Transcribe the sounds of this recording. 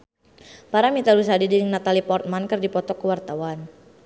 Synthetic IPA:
paɾamit̪alus̬adidiɾɪŋnat̪alipɔrt̪̚mankɨrdipɔt̪ɔkəwart̪awan

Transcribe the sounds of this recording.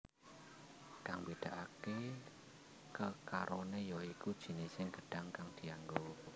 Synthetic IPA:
ɖ̥a̤ŋbid̪̥a̤ʔake | kəkaɾʔonejɔikud̥ʒ̥i̤nesɪŋɡ̥ə̤ɖ̥a̤ŋkaŋd̪̥i̤aŋɡo

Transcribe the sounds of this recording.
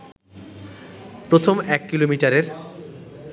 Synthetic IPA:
pɾot̪ʰomɛkːilomiʈaɾeɾ

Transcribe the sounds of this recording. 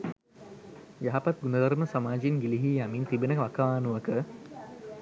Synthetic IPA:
jaɦapat̪̚ɡunəd̪ɐɾməsamaːd͡ʒinɡiliɦiːjamint̪ibenəkʋakaʋaːnuʋəkə

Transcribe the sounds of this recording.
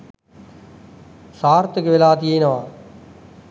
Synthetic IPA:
saːɾt̪əkʋɪlaːt̪ijenɐʋaː

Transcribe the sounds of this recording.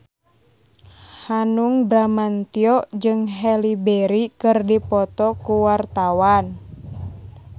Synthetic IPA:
hanuŋbɾamant̪iɔd͡ʒɨŋɦɛlibɛɾikɨrdipɔt̪ɔkuwart̪awan

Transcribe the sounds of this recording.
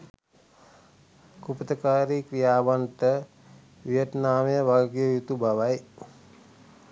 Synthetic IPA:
kupət̪əkaːɾikɾijaːʋanʈə | ʋijət̪naːməjəʋaɡjojut̪ubaʋaj

